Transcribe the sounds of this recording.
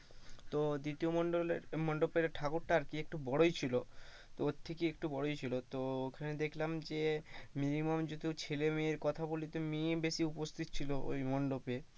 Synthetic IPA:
t̪od̪it̪iomɔɳɖoleɾmɔɳɖopeɾʈʰakoɾʈaaɾkiek̚ʈubɔɽojt͡ɕʰilo | t̪oot̪ʰːekiek̚ʈubɔɽojt͡ɕʰilot̪ookʰaned̪ekʰlamd͡ʑeminimomd͡ʑod̪ʱit͡ɕʰelemeeɾkɔt̪ʰabolit̪omibeʃiupost̪ʰit̪t͡ɕʰiloʔo̰jmɔɳɖope

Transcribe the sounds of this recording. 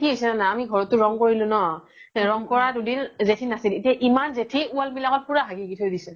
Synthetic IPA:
tʰiɦojsɛnanaamiɡʱɔɹɔtːʊɹɔŋkoɹilʊ̃nɔ | ɹɔŋkɔɹadudinzetʰinasiletiaʔimanzetʰiualmilaŋɔt̚puɹaɦaɡiɡitʰojdisɛ

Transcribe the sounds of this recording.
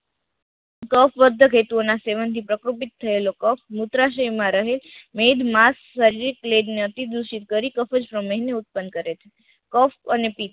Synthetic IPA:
kəfʋəd̪ʱːəkʰet̪uonaseʋənt̪ʰipɾəkɾupit̪ʰːəelokəfʰmut̪ɾaʃəjmãɾəɦelmed̪masːəɾiɾikːleɖneət̪id̪uʃit̪̚kəɾikəfəd͡ʒpɾəmeɦneut̪̚pənkəɾet͡ʃʰe̥ | kəfənepit̪̚

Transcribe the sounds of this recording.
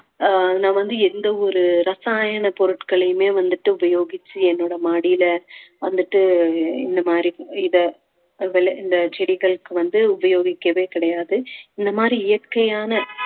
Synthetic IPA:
nãːʋɐnd̪ɯɛnd̪ɐɔɾɯɾɐsaːjɐɳɐpɔɾɯʈkɐɭɐjɯmeːʋɐnd̪ɯʈːɯʊbɐjoːɣɪt͡ʃːɯɛnːoːɽɐmaːɽɪjɪlɐʋɐnd̪ɯʈːɯɪ̰nd̪ɐmaːd̪ɾiɪðɐ | ʋɛɭɐɪnd̪ɐt͡ʃɛɽɪɣɐɭɯkːɯʋɐnd̪ɯʊbɐjoːɣɪkːɐʋeːkɪɽɐjaːðɯɪnd̪ɐmaːd̪ɾiɪjɐɾkɐjaːnɐ

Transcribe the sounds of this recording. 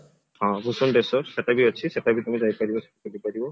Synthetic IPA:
hɔ̃busɔndesɔsɛtabiat͡ʃʰisɛtabit̪umizajpadibɔsɛ̥takulipadibɔ

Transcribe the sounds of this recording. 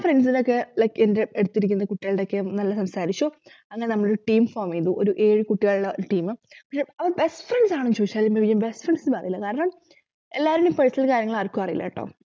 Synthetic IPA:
freɳɖsinokːe̞kendeeɽut̪ːiɾikʲːunːɐkuʈːiɣɐɭɽeokːenɐlːɐsɐmsaːɾit͡ɕːoː | ɐŋːɐnenɐmːɐɭoɾuʈiːmfoːmiiðuʔoɾuʔe̞ːɻɨkuʈːiɣɐɭuɭːɐoɾuʈiːmɨpɐkʂeɐʋɐrbe̞sʈfreɳɖsaːɳot͡ɕoːiaːlimbɐʋijɐmbesʈfrɐɳɖsinɐrijilːɐkaːɾɐɳɐm | elːaːɾumipɐɻisilkaːɾjɐŋːɐɭaːrkːuɐrijilːɐ̰ʈːo̰ː

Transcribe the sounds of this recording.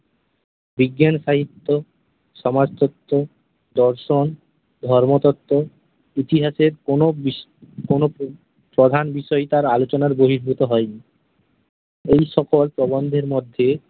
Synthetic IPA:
biɡːanʃaɦit̪ːo | ʃɔmad͡ʑt̪ɔt̪ːo | d̪ɔɾʃon | d̪ʱɔɾmot̪ɔt̪ːo | it̪iɦaʃeɾono | kono | pɾod̪ʱanbiʃɔet̪aɾalot͡ɕonaɾboɦiɾbʱut̪oɦɔeni | ejʃɔkolpɾɔbond̪ʱeɾmod̪ʱːe

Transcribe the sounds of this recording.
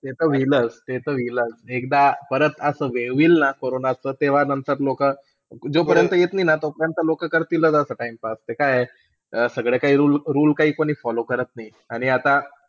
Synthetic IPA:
t̪et̪əʋiləst̪et̪əʋiləsekd̪apəɾət̪əsəʋeʋiːlnakoɾonat͡səːt̪eʋ̤anənt̪əɾlokə | d͡zopəɾjənt̪əjet̪nainat̪ɔpəɾjənt̪əlokəkəɾt̪iləd͡zasəʈaimpast̪ekaje | əsəɡɭekaɦiːɾulɾuːlkaɦiːkoɽ̃iːfɔlokəɾət̪nai | aɽ̃iat̪a

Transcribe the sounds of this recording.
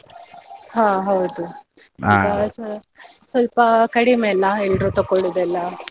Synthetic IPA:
ɦãːɦɐwd̪u | ḭɡas | sɐlpɐkɐɽimelːɐelɖɾut̪okːoɽud̪ɛlːɐ

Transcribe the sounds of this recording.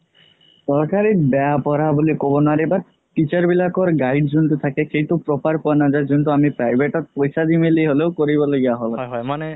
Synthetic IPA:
sɔɾkaɾiɾbɛapɔɾabolikobɔnaɾebaɾ | ʈit͡ɕaɾbilakɔɾɡajɖd͡ʒunt̪ut̪ʰakekejʈupɾopaɾpɔanad͡ʒad͡ʒunt̪uamipɾajbʱeʈɔt̪̚pojsad̪imelijɦolewkoɾibɔleɡeaɦolaɦane

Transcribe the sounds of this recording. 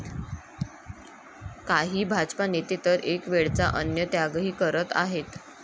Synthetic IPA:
kaɦiːbʱad͡zpanet̪et̪əɾʔekʋeɭt͡saʔənjət̪jaɡɦiːkəɾət̪a̰ɦet̪

